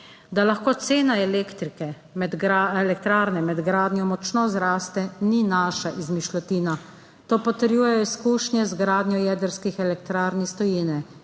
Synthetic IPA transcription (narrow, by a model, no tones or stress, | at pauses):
d̪alaxkoːt̪seːnaɛlekt̪ɾikɛ | mɛd̪ɡaɛlɛk̚t̪ɾaːɾnɛmɛd̪ɡɾaːd̪nʲjɔmɔt͡ʃnɔzɾaːst̪ɛninaːʃaʔizmiʃlɔt̪iːna | t̪oːpɔt̪əɾjuːjɛjɔiskuːʃnjɛzɡɾaːd̪nʲjɔjɛːd̪əɾskixɛlɛk̚t̪ɾaːɾnist̪ɔjinɛ